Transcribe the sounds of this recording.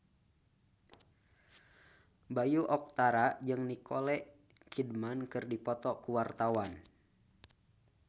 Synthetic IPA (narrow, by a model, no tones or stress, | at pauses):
bajuʔɔk̚t̪aɾad͡ʒɨŋnikɔlɛʔ | kʰidmankɨrdipɔt̪ɔkuwart̪awan